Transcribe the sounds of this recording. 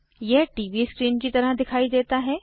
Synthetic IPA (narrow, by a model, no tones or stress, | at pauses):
jɛɦʈiːʋiskɾiːnkit̪ɐɾəɦd̪ɪkʰaːid̪eːt̪aɦɛː